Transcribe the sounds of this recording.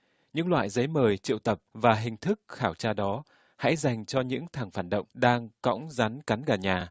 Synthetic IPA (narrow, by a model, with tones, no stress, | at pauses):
ɲɨ̰˧˥ŋlwa̰ː˧˨jzə˨˦jməː˨˩jt͡ɕḭ˧˨wt̪ə˨˩p̚vaː˨˩ɦï˨˩ŋ̟t̪ʰɨ˦˥k̚xaː˧˩wt͡ɕaː˧ɗɔ˨˦ | ha̰˧˥jza˨˩jŋ̟t͡ɕɔ˧ɲɨ̰˧˥ŋt̪ʰaː˨˩ŋfaː˧˩nɗə̰˧˨wŋ͡mɗaː˧ŋkɔ̰˧˥wŋ͡mza˨˦nka˨˦nɣaː˨˩ɲaː˨˩